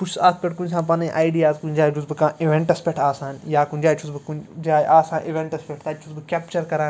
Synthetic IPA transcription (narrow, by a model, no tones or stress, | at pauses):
put͡ʃʰaːspʲeʈkuns̬ãːpaːneʔaːjɖijaːzkund͡ʒaːd͡ʒuzbɨkãːiʋẽɳʈɐspʲeʈʰaːsaːnjaːkund͡ʒaːt͡ʃʰusbɨkud͡ʒaːjʔaːsãːʔiʋẽɳʈɐspʲeʈʰt̪aːt͡ʃʰusbɨkʲɛːpt͡ʃɐɾkɐɾaː